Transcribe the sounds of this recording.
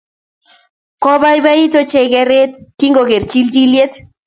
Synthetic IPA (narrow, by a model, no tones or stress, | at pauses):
koβajβait̪ot͡ʃeɣeret̪kiŋɡoɣeɾt͡ʃild͡ʒiljet̪